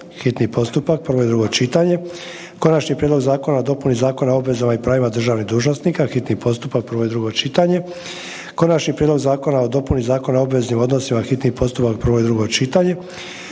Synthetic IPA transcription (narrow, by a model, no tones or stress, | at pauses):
xit̪nipo̞st̪upak̚pr̩ʋo̞id̪ɾuɡo̞t͡ʃit̪aɲe̞ | ko̞nat͡ʃnipɾʲed̪lo̞ɡzaːko̞nao̞d̪o̞punizaːko̞naobʋe̞zamaipɾaːʋimad̪r̩ʒaːʋniɦd̪uːʒnosnikaxit̪nipo̞st̪upak̚pr̩ʋo̞id̪ɾuɡo̞t͡ʃit̪aɲe̞ | ko̞nat͡ʃnipɾjed̪lo̞ɡzaːko̞nao̞d̪o̞punizaːko̞nao̞bʋe̞znimo̞d̪no̞simaxit̪nipo̞st̪upak̚pr̩ʋo̞id̪ɾuɡo̞t͡ʃit̪aɲe̞